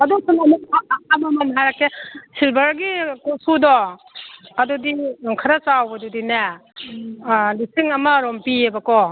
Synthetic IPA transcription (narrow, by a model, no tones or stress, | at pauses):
ɐdusunamiaːmamanɦajɾakesilbɐɾɡikusudɔ | ɐdudiŋkʰaɾat͡ʃawbadudina | lisiŋɐmɐɾɔmpiebakɔ